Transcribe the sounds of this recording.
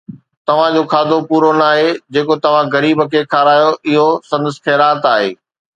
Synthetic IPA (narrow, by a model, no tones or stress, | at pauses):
t̪ɐʋ̤ãd͡ʑoːkʰaːd̪ʱopuːɾonaːɦed͡ʑeːkot̪ɐʋ̤ãɣɐɾiːbəkʰeːkʰaːɾaːjoʔɪɦosɐ̃nd̪əskʰeːɾaːt̪aːɦḛː